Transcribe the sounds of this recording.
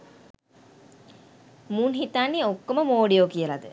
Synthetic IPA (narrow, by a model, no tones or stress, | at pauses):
munɦit̪anːiokːoməmoːɖijoːkiəlad̪ə